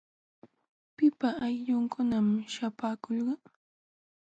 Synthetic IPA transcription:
pɪpaːjʎʊŋkʊnamʃapaːkolɢɑ

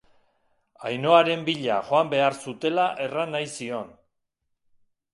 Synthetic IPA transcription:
ajno̞aɾe̞mbiʎa̰xoambe̞aɾsut̪e̞laʔe̞ranajsio̞n

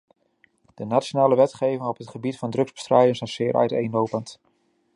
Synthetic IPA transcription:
d̥ənatt͡ʃonaːləʋɛtχejvɪŋɔpɦətχəbitfɑndrɵkɡzbə̥strɛjdənsasɪːɾʔœ̰ɥtejnowpənt

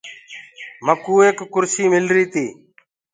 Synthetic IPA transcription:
məkuːeːkːʊɾsiːmɪlɾiːt̪iː

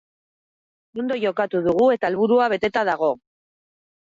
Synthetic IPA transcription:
o̞nd̪o̞ʝo̞kat̪uðuɣ̞ue̞t̪aelβuɾuaβe̞t̪e̞t̪aðaɣ̞o̞

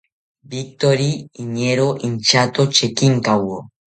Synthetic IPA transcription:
bik̚t̪oɾiiɲeɾoʔiɲt͡ʃat̪ot͡ʃekiŋkawo

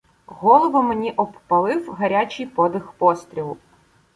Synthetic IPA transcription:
ɣɔlˠɔʋɐmenʲiʔɔppɐlˠɪwɦɐɾʲat͡ʃʲɪjpɔd̪ɪxpɔst̪ʲɾʲilˠʊ

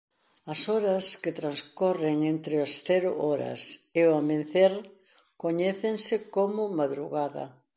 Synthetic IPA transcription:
ɐsɔɾɐskɪt̪ɾanskɔreŋent̪ɾɪɐsθɛɾʊʔɔɾɐ̰seoamẽn̟θeɾ | koɲɛθeŋsɪkomʊmaðɾuɣaðɐ̰

